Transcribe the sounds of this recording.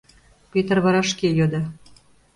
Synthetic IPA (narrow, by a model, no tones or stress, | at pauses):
pet̪ərβɑɾɑʃkejod̪ɑ